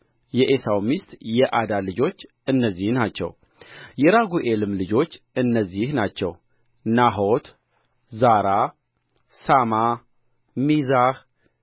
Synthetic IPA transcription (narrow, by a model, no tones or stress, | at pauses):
jɛʔesawmist̪jɛʔad̪alɨd͡ʒo̞t͡ʃː | ɨnːəzːihnat͡ʃːɛ̰w | jɛɾaɡuʔelɨmlɨd͡ʒo̞t͡ʃː | ɨnːəzːihnat͡ʃːɛ̰w | naɦo̞t̪ | zaɾa | sama | mizah